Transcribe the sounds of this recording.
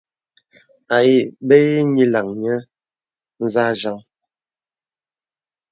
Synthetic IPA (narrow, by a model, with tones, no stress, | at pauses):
a˨ji˦˨be˦ji˦ɲi˦la˨ŋɲə˦ | n̩˦za˦ʒa˦ŋ